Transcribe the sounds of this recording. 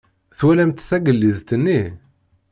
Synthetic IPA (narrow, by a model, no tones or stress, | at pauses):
θwælæmt̪θæɡəlːiðt̪ənːi